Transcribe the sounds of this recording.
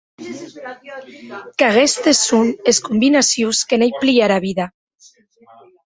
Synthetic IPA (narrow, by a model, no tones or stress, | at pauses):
kaɣest̪esuneskumbinasjuskenejpliaɾaβiða